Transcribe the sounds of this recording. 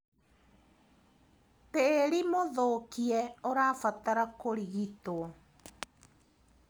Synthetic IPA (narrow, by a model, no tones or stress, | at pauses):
teːɾimoðokiɛoɾafataɾakoɾiɣitoɔ